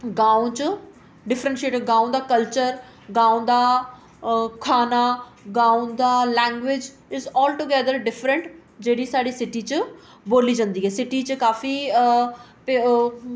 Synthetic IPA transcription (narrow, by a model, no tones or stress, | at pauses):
ɡãːõt͡ʃə | ɖɪfʰɾə̃ɳʈʃeːʈəɡãːũd̪aːkəlt͡ʃəɾ | ɡãːũd̪aː | kʰaːnaːɡãːũd̪aːlɛ̃ːŋɡʋɪd͡ʒ | ɪzɔːlʈuɡɛːd̪əɾɖɪfɾə̃ɳʈ | d͡ʒeːɽiːsaːɽiːsɪʈiːt͡ʃə | boːliːd͡ʒãːnd̪iːɦɛːsɪʈiːt͡ʃəkaːfiː | pe